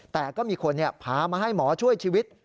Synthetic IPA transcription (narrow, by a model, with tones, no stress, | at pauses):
t̪ɛː˨˩kɔː˥˩miː˧kʰo˧nːi˥˩ɐpʰaː˨˦maː˧ɦa˥˩jmɔː˩˦t͡ɕʰu˥˩əjt͡ɕʰiː˧wi˦˥t̪̚